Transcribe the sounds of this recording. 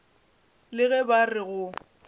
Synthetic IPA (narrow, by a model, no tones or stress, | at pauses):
lɪɣɛbarɪɣʊ